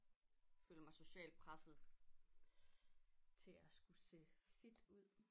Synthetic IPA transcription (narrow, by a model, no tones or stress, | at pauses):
følɐmɑ̈so̝ɕɛ̰ːlpʰʁasð̩ˠ | t͡sʰe̝æsɡ̥use̝̰ːfid̥uð̰ˠ